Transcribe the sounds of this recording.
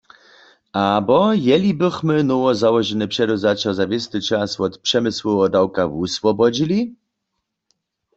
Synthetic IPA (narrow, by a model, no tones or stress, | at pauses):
abɔjɛlʲibɪxmɘnɔwɔzawɔʒɛnɨpʂɛɾɔzat͡ɕɔzavʲjɛst̪ɨt͡ʃaswɔt̪pʂɛmɘswɔɔd̪awkavuswɔbɔd͡ʑilʲi